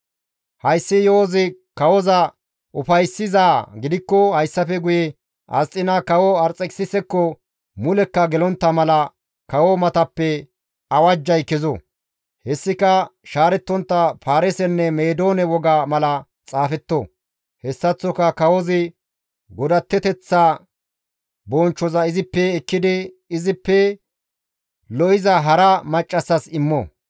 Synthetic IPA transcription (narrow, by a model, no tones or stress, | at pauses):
hɐjsːɪjoːzɪ | kɐwɔzɐ | ʔʊfɐjsːɪzaːɡɪd̪ɪkːɔhɐjsːɐfɛɡʊjɛ | ʔɐ̰t͡sʼːɪnɐkɐwɔɐɾt͡sʼːɛksɪsɛkːɔ | mʊlɛkːɐɡɛlɔnt̪ːɐmɐlɐ | kɐwɔmɐt̪ɐpːɛ | ɐwɐd͡ʒːɐjkɛzɔ | hɛsːɪkɐʃaːɾɛt̪ːɔnt̪ːɐfaːɾɛsɛnːɛmeːd̪o̞ːnɛwɔɡamɐlɐ | t͡sʼaːfɛt̪ːo | hɛsːɐt͡sːɔkɐkɐwɔzɪ | ɡɔd̪ɐt̪ːɛt̪ɛt͡sːa | bɔnt͡ʃːɔzɐɪzɪpːɛːkːɪd̪ɪ | ɪzɪpːɛ | lɔʔɪzɐɦɐɾɐmɐt͡ʃʼːɐsːɐsɪmːɔ̰